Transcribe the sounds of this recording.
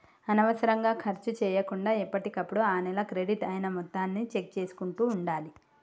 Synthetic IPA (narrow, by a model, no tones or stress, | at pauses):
ɐnɐʋɐsɐɾɐŋɡaːkʰɐɾt͡ʃut͡ʃɛːjɐkuɳɖaːipːɐʈikɐpːuɽuaːnɛlɐkɾeɖiʈɐjnɐmɔt̪ːaːnːit͡ʃe̞k̚t͡ʃeːsu̥kuɳʈuːɳɖaːli